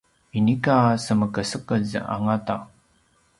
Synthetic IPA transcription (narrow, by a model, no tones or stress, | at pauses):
inikasəməkəsəkəzə̰ʔa̰ŋata